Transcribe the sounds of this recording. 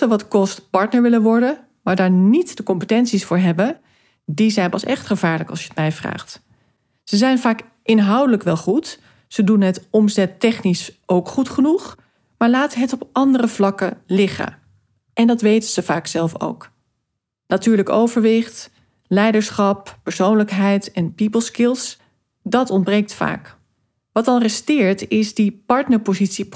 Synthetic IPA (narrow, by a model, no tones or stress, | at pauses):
əʋɑtkɔstpɑɹtnəɹʋɪlənʋɔɹdən | maːɹdaːɹnitdəkɔmpətɛnsisfʊːɹɦɛbə | dizɛjnpɑsɛχtχəvaːɹləkɑ̰lˠʃjəətmɛjvra̰ːχt | z̥əzɛjnvaːk | ʔɪnɦɑwdələkʋɛlˠχut | sədunɦətɔmzɛtɛχnisowkχutχənuχ | maːɹlaːtəɦətɔpʔɑndərəvlɑkəlɪχə̰ | ʔɛndɑtʋejtəz̥əvaːksɛlˠfo̰wk | natyːɹləkowvəɹʋɪχt | lɛjdəɹsχɑpːəɹsownləkɦɛjtɛnpipəlˠskɪlˠs | dɑtɔnbrejk̚tfa̰ːk | ʋɑtɑlrɛstɪːɹtɪsdipɑɹtnəɹpozitsip